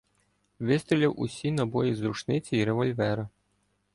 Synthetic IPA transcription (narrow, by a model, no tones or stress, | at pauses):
ʋɪst̪ɾʲilʲɐwʔṵsʲinɐbɔjizɾut͡ʃnɪt͡sʲiːɾeʋɔlʲʋɛɾɐ